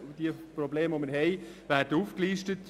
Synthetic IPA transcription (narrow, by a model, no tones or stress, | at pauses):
d̥iəprɔbleːmomənɦɛɪvæːrdəuːfkliːʃtət